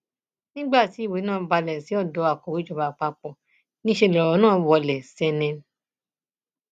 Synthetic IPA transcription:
nĩ˦ɡ͡ba˦˨ti˨˦i˦˨we˨˦nãː˦ba˧lɛ̃˨si˨˦ɔ˦˨dɔ˨˦a˨kɔ˨wi˨˦d͡ʒɔ˦˧ba˧˨k͡pa˧k͡pɔ˨ | nĩ˦ʃe˧˨lɔ˨wɔ˨˧˦nãː˦˨wɔ˧lɛ˨sɛ˧nɛ̃˧

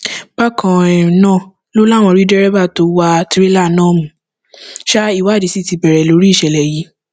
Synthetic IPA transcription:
b̥a˦kʰã˨ɛ˨nã˦˨ | lo˦la˦˨w̃ɔ̃˧˨˧ɾi˦dɛ˦ɾɛ˦ba˦˨to˨˦wa˧ti˦ɾi˦la˦˨nãː˦˨mũ˨˦ | ʃa˦i˦˨wa˨˦˨di˨si˦˨ti˧˦bɛ˨ɾɛ˨lo˨˦ɾi˦i˦˨ʃɛ˨lɛ˨ji˨˦

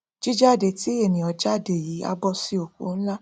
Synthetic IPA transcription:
d͡ʒi˦d͡ʒa˦˨de˨ti˨˦e˦˨nĩ˨ɔ˧d͡ʒa˦˨de˨ji˨˦a̰˦bɔ˧si˧˦o˨kṵ˨˦n̩˦la˦

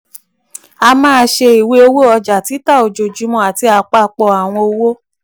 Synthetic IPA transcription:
a˧mãː˦˧ʃe˧i˨we˦o˧wo˦˨ɔ˧d͡ʒa˨ti˨˦ta˦˨o˨d͡ʒo˨d͡ʒu˨˦mɔ̃˧˨a˨ti˧a˧k͡pa˦˧k͡pɔ˧˨a˨w̃ɔ̃˧o˧wo˦

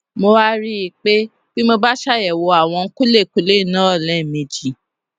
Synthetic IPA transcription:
mo˧wa˦ɾi˦i˨k͡pe˦ | b̥i˦mo˧ba˦ʃa˦˨jɛ˨wo˧a˨w̃ɔ̃˧ŋ̩˦ku˦le˦˨ku˦le˦˨nã˦ɔ˦˨lɛ˨˦˨mĩ˧d͡ʒi˨

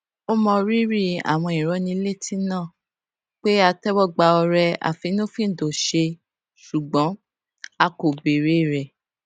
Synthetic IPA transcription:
o˦mɔ̃˧ɾi˦ɾi˦a̰˨w̃ɔ̃˧ĩ˨ɾɔ˨˧˦nĩ˧˦le˦˨tĩ˦nãː˦˨ | k͡pe˦a˧tɛ˦wɔ˦˨ɡ͡ba˧ɔ˧ɾɛ˧a̰˨fi˨˧˦nõ˦fĩ˦˨do˨ʃe˧ | ʃu˨ɡ͡bɔ̃˨˦ | a˧ko˨be˨ɾe˨˦i˦˨ɾɛ˨

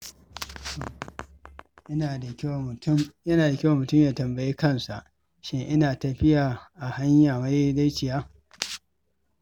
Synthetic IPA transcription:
to˨ | ʔɪ˦na˨˦jɐ˦naː˨da˨kʲɪ˦wa˨mʊ˨tʊ˦mjaː˨tɐ˨mbɐ˨jiː˦kɐ˦˨nsa˨ʔ | ʃe˦ʔɪ˦naː˨tɐ˨ɸɪ˦jaː˨ʔa˨ha˦ɲjaː˨ma˦je˦da˦t͡ʃɪ˨jaː˦

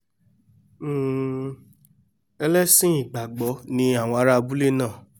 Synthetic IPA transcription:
ɛ˧lɛ˦sĩ˦i˨ɡ͡ba˨ɡ͡bɔ˨˦nĩ˧˦a˦˨w̃ɔ̃˧a˧˦ɾa˦˧bu˦le˦˨nãː˦˨

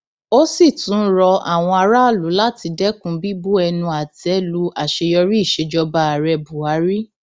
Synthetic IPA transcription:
o˦si˦˨tũ˨˦ɾɔ˧a̰˨w̃ɔ̃˧a˧ɾa˦˨lu˨˦la˦ti˧dɛ˦kũ˦bi˦bu˦ɛ˧nũ˧a˨tɛ˨˦lu˦a˨ʃe˧jɔ˧ɾi˦i˦˨ʃe˧d͡ʒɔ˧ba˧a˨ɾɛ˧bu˨a˨˦ɾi˦

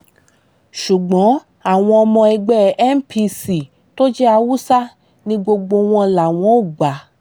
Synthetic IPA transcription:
ʃu˨ɡ͡bɔ̃˨˦ | a˦˨w̃ɔ̃˧ɔ˧mɔ̃˧ɛ˧ɡ͡bɛ˦m̩˦pʰi˧si˨ | to˦d͡ʒɛ˦a˧wu˦sa˦ | nĩ˦ɡ͡bo˧ɡ͡bo˧w̃ɔ̃˧la˨w̃ɔ̃˨˦o˦˨ɡ͡ba˨

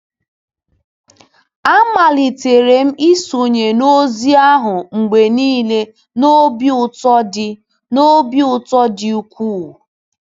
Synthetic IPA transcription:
a˦ma˨li˨te˨ɾe˨m̩˦i˦su˨ɲe˨no˦zi˦a˦ɦʊ˨ŋ͡m̩˨ɡ͡be˨niː˦le˦ | no˦bʊ˦˨tɔ˦dɪ˦ | no˦bi˦ʊ˦tɔ˦dɪ˨u˨kʷu˦˨

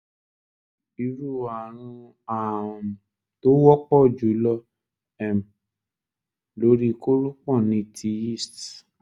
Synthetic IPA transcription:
i˨˦ɾu˦˨a˨ɾ̃ũ˧ | a˨ | to˦wɔ˦k͡pɔ˦˨d͡ʒu˨˦lɔ˦˧ | ɛ˨m̩˨ | lo˨˦ɾi˦˧ko˦ɾũ˦k͡pɔ̃˦˨nĩ˧˦˨tʰi˧˦i˦˨st

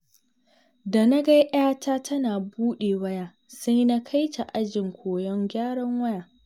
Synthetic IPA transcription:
da˨na˦ɡa˦jʔaː˦taː˦tʰɐ˦naː˨buː˦ɗeː˨wɐ˦jaː˦ | sɐ˦jna˦kʰa˦jt͡ʃa˨ʔa˦d͡ʒɪ˨ŋkʷʰoː˨jɔ˦ŋɡʲaː˦ɽɔ˦ŋwɐ˦jaː˨

